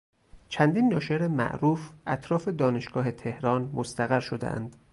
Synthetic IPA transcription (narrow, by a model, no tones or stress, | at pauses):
t͡ʃʰænd̪iːnːɒːʃeɾemæ̰ʔɾuːfʔæt̪ʰɾɒːfe̞d̪ɒːne̞ʃɡ̥ɒːɦe̞t̪ʰe̞hɾɒːnmost̪æɣæɾʃod̪ḛʔæ̰nd̪̥